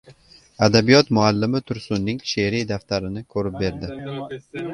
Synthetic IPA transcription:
ad̪abijɒt̪mʊalːɪmɪt̪ʰʊɾsʊnːɪŋʃeɾid̪aft̪ʰaɾɪnɪkʰɵɾɪp̚be̞ɾd̪ɪ

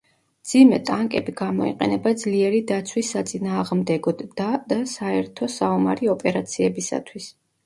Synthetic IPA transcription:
md̪zimɛt̪ʼaŋkʼɛbiɡamɔ̰ḭqʼɛ̰nɛbad̪zliɛɾid̪at̪sʰwisːat̪sʼinaːʁmd̪ɛɡɔdd̪ad̪asaɛɾt̪ʰɔsaɔma̰ɾiɔpʼɛɾat̪sʰiɛbisa̰t̪ʰwis

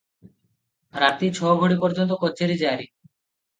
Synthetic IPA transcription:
ɾat̪it͡ɕʰɔoɡʱoɽipɔɾd͡ʑont̪okotːt͡ɕʰeɾid͡ʑeaɾi

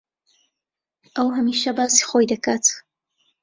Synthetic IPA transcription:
ʔəwɦɐmiːʃɐbaːsi̥xoːjd̪ɐkaːt̪

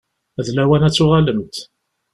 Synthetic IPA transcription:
æðlæwænæt͡sːʊʁaləmt̪

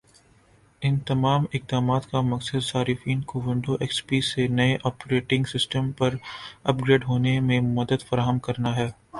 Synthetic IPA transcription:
ɪnt̪ɐmaːmɪq̚d̪aːmaːt̪kamɐksəd̪saːɾɪfiːnkoːʋɪ̃ɳɖoʔeːkspiːsenɐeʔɔːpɾeːʈɪ̃ŋɡsɪsʈəmpɐɾɐpɡɾeːɖɦoːnemẽmɐd̪əd̪fɐɾaːɦəmkɐɾnaɦɛː

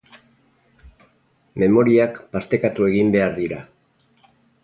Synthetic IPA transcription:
me̞mo̞ɾiakpast̪e̞kat̪ue̞ɣ̞imbe̞aɾðiɾa

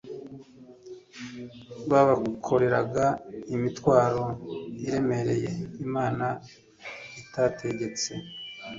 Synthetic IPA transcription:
βaβakʰo̞ɾe̞ɾaɡaimitwaːɾo̞iɾe̞me̞ɾe̞je̞imaːna | itatʰe̞ɟe̞t͡se̞

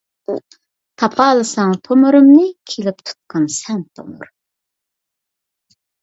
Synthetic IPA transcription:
u | t̪ʰɑpʰɑːlˠɨsɑŋt̪ʰomuɾɨmnɨkʲʰelɪp̚t̪ʰu̥t̪̚qʰɑnsɛnt̪ʰo̰mṵɾ

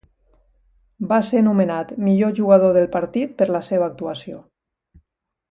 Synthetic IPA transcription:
basenumenat̪miʎoʒuɣað̞oðelˠpaɾt̪it̪̚pəɾləseβ̞əːk̚t̪uasio

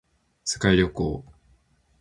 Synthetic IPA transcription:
sɨ̥kaiɾʲokoː

